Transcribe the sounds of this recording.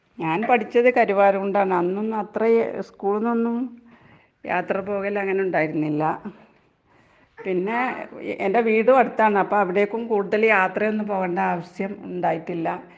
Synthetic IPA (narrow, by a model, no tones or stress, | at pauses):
ɲaːnpɐʈʰit͡ɕːɐðɨkɐɾuʋaːɾɐmuɳɖaːɳɨɐnːonːɐt̪rɐskuːɭunːonːum | ja̰ːt̪rɐpo̞ːɣɐlɐŋːɐne̞uɳɖaːjiɾunːilːɐ | pinːe̞ende̞ʋiːɽuɐɽut̪ːaːɳɨɐpːoːɐʋiɽe̞jokːumkuːɽuðɐljaːt̪rɐjo̞nːumpo̞ːɣeːɳɖɐaːʋɐɕjɐmuɳɖaːjiʈːilːɐ